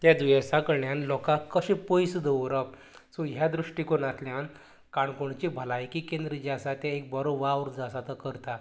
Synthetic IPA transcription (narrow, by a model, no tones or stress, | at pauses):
t̪jad̪ujasakəɾɳjanlɔkãkəɕẽpojsəd̪əʋɾəp̚ | suɦjad̪ɾuʂʈikonat̪ljãn | kaɳkoɳt͡ɕebʱəlajkikend̪ɾəd͡ʑasat̪jaek̚bəɾoʋaʋɾd͡zasat̪əkəɾt̪a